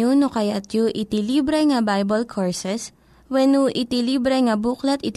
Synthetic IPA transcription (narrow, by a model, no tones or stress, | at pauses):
unokɐjat̪̚joʔɪt̪iliːbɾɛŋɐbajbɐlkʰoɹsɛs | wɛnuʔɪt̪iliːbɾɛŋɐbuklɐt̪ɪt̪